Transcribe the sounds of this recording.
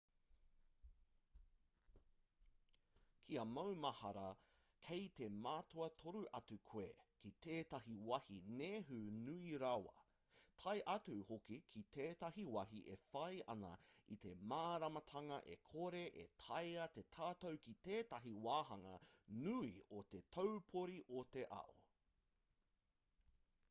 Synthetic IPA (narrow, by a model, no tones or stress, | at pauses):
kʰiɐmɐwmɐhɐɾɐ | kʰejt̪e̞maːtʰoɐt̪ʰoɾuʔɐtʉkʰwḛkit̪ʰeːtɐɦiwɐhineɦʉnuiɾawɐ̰ | tʰɐjʔɐtuhokikʰit̪ʰeːtɐɦiwɐɦiʔefɐjɐ̰nɐ̰it̪e̞maːɾɐmɐtʰɐŋɐʔḛkʰoɾe̞ʔḛtʰɐjɐt̪e̞tʰaːtowkit̪eːtɐɦiwaːɦɐŋɐ̰nuiot̪etʰowpʰoɾiʔot̪e̞ʔɐ̰ʔo̰